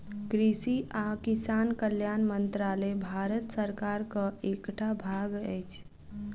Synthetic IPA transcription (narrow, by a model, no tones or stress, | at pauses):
kɾisiʔakisankəljanmənt̪ɾalebʱaɾət̪səɾkaɾkəekʈʰabʱaɡəjt͡ʃʰ